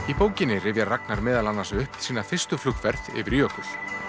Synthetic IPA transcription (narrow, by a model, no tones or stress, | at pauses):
ipoːwcɪnːɪrɪvjarak̚naɾmɛːðalanːansɛʏhpsiːnaθɪrst̪ʏflʏkvɛɾðɪ̰vɪɾiɔhkʏɾ̥